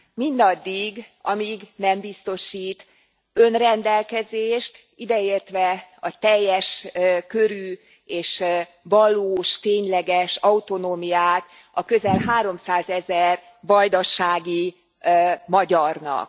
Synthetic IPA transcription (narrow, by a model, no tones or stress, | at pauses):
mind̪ɒd̪ːiɡɒmiːɡnɛmbist̪o̞ʃiːt̪ | ø̞nrɛnd̪ɛlkɛzeːʃt̪ | id̪ɛeːrt̪ʋɛɒt̪ɛjːɛʃkø̞ɾyː | eːʃ | vɒloːʃt̪eːɲlɛɡɛʃɒut̪o̞noːmijaːt̪ | ɒkø̞zɛlɦaːɾo̞msaːzɛzɛr | vɒjd̪ɒʃaːɡi | mɒɟɒrnɒ̰k